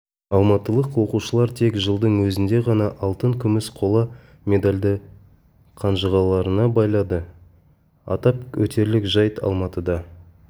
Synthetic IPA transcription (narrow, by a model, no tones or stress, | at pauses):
ɑlˠmɑt̪əlˠəqwo̞quʃəlˠɑɾt̪ʰe̞kʒəlˠd̪əɴwɵzɪnd̪e̞ʁɑnɑʔɑlˠt̪əŋkʲʰʏmɪsqʰo̞lˠɑ | mʲe̞d̪alʲd̪ə | qʰɑnʒəʁɑlˠɑɾənɑbɑjlˠɑd̪ə | ɑ̰t̪ɑpwɵ̰t̪ʰe̞ɾlɪkʒɑjt̪ʰɑ̰lˠmɑt̪əd̪ɑ